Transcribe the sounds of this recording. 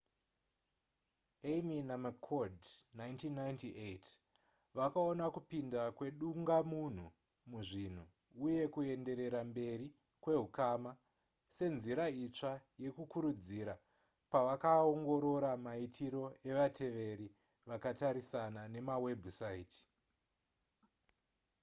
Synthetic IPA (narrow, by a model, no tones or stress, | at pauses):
eminamakʰodnajntinːajntiʔet | ʋakaonakupindakwe̞ɗuŋɡamun̤u | muʐin̤u | uje̞kue̞nde̞ɾe̞ɾambe̞ɾi | kwe̞ɦukama | se̞nziɾait͡ʂaje̞kukuɾud͡ziɾa | paʋakaoŋɡo̞ɾo̞ɾamaitʰiɾo̞e̞ʋatʰe̞ʋe̞ɾi | ʋakataɾisanane̞mawe̞bʱusaiti̥